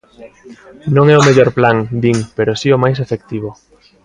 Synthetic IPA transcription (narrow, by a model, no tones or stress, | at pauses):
nõŋɛomeʎɔɾplaŋd̪iŋpeɾosiomajs̬efekt̪iβ̞o